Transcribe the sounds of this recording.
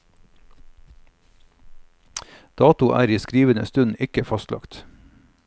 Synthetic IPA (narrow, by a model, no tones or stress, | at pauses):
d̪̥ɑːt̪ʊʔæ̰ːɾiːskɾiːʋənə̰st̪ʉnɪkəfɑst̪lɑ̰kt̪